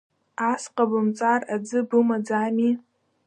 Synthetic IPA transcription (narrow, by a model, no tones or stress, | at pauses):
asqʼabɨmt͡sʼarad͡zɨbɨmad͡zami